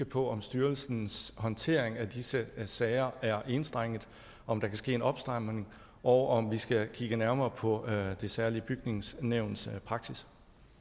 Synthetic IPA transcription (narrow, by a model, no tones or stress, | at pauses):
əpʰɒ̽ʔɒ̽msd̥yɐlsn̩shɒ̽nt͡sʰe̝ɐ̰e̝ŋædisəsɛɪɐæɐʔe̝nsd̥ʁaŋ̰əð̩ˠ | ɒ̽md̥ɑ̈kʰæsɡ̥e̝̰ːenɒ̽b̥sd̥ʁɑmne̝ŋ | ʔɒʊʔɒ̽mʋisɡ̥ækʰiɡ̥ənæɐmɐːpʰɒ̽d̥e̝sæɐliəb̥yɡ̥ne̝ŋsneʊ̰nspʰʁɑ̈ɡ̥sis